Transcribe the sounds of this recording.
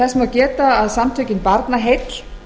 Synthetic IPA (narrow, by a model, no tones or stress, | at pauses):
ɛsmacɛːt̪aːðsamt̪ʰœɥcɪnpaɾt̪naɦet̪l̥